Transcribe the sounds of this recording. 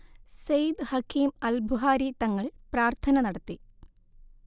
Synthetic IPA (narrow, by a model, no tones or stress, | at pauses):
sejd̪hɐkʰːiːmɐlbʱuɦaːɾit̪ɐŋːɐɭpraːrt̪ʰɐnɐnɐɽɐt̪ːi